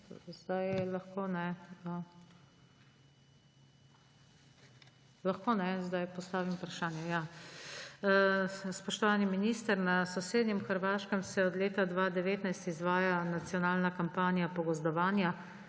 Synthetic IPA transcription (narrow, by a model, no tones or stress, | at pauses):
zd̪ajlaxkonɛə | lɐxkoːnɛzd̪ajpɔst̪aːʋimupɾaʃaːnjɛja | spɔʃt̪ɔʋaːniminiːst̪əɾnasɔseːd̪nʲɛmxəɾʋaːʃkəmsɛɔd̪leːt̪ad̪ʋaːd̪ɛʋeːt̪najst̪izʋaːjanat̪sijɔnaːlnakampaːnijapɔɡɔzd̪ɔʋaːnja